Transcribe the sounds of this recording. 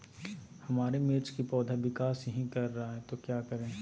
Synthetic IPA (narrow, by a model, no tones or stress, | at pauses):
hɐmaːɾemeːt͡ʃkipɔːd̪ʱaʋɪkaːsjɐɦĩkɐɾːɐɦaɦɛt̪okjaːkɐɾẽː